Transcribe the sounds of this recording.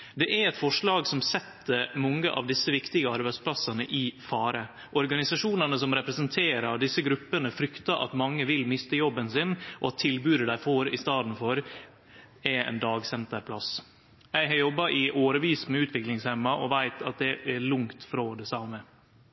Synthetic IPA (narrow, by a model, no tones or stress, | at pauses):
d̪ɛʔæɾɛt̪fɔʂɭɑːɡsɔmsɛt̪ːəmɔŋːəʔɑ̰ʋd̪ɪsəʋɪkt̪ɪɡəɑɾbæɪspʰlɑsɑnə̰ʔɪfɑːɾə | ʔɔɾɡɑnɪsɑʂuːnənəsɔmɾɛpɾɛsənt̪ʰeːɾəɖ̪ɪsːəɡɾʉpːənəfɾʏkt̪ɑʔɑ̰t̪mɑŋːəʋɪlmɪst̪əjɔbːənsɪnʔɔɑt̪ʰːɪlbʉːɾəɖ̪æɪfoːɾɪst̪ɑːd̪n̩fɔɾ | ɛɾɛ̰ɪnd̪ɑːɡsɛnt̪əɾpʰlɑs | jæɪɦɑɾjɔbːɑʔɪʔoːɾəʋiːsmɛʉːt̪ʰʋɪklɪŋshɛmːɑʔɔʋæɪt̪ʰɑt̪̚d̪ɛʔɛɭʊŋt̪fɾoːd̪ɛsɑmə